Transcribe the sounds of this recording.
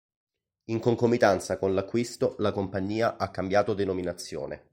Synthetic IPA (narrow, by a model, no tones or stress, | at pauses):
iŋkoŋkomit̪ant̪sakonlakːwist̪olakompaɲːiːaʔakːambjaːt̪od̪enominat̪sːjo̰ːnḛ